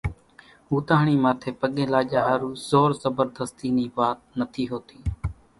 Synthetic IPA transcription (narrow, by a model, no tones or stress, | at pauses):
uːt̪aːɳiːmãːt̪ʰeːpəɠẽːlaːʄaːɦaːɾuːzoːɾzəbəɾd̪əst̪iːniːbaːt̪̚nət̪ʰiːɦoːt̪iː